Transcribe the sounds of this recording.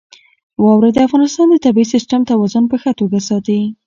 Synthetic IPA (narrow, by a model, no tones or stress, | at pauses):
wɑwɾad̪əafɣɑnɪst̪ɑnd̪ət̪abiisisʈamt̪awɑzʊnpəxat̪oɡasɑt̪ai